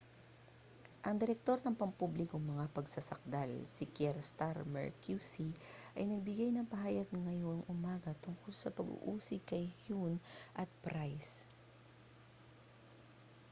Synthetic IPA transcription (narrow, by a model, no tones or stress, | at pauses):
ʔɐŋd̪ɛɾɛk̚t̪o̞ɾnɐŋpɐŋpublɪkoŋmɐŋapɐɡsasɐk̚d̪alsɪkɛɾst̪aɾmɛ̰ɹkjusiʔɐjnɐɡ̚bɪɡajnɐŋpɐɦaːjɐɡ̚ŋɐjoŋʔʊmaːɡɐt̪ʊŋkolsɐpɐɡṵʔuːsɪkɐjhunʔɐt̪̚pɾajs